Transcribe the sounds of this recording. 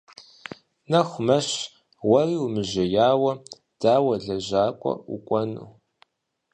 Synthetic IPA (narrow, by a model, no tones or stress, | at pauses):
nɐxʷmɐɕ | wɐriːwmɨʒɐjaːwɐ | d̥aːwɐɮɐʑaːkʷʼɔ̰ṵkʷʼɔnṵː